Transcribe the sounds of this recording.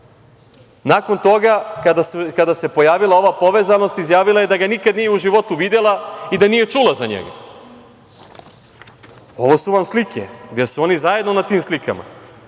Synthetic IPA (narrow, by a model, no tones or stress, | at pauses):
nako̞nt̪o̞ɡakad̪skad̪ase̞po̞jaːʋilˠao̞ʋapo̞ʋeːzano̞st̪izjaːʋilˠajed̪aɡanikad̪nijeuʒiʋo̞t̪uʋid̪e̞lˠaid̪anije̞t͡ʂuːlˠazaɲḛɡa̰ | o̞ʋo̞suʋamslikʰḛɡd̪esuo̞nizajed̪nonat̪iːmslika̰ma̰